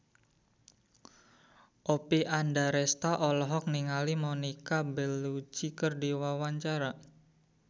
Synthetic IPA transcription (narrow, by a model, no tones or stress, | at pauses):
ʔopiʔandaɾɛst̪aʔɔlɔɦɔk̚niŋalimonikabɛlːut͡ʃikərdiwawaɲt͡ʃaɾa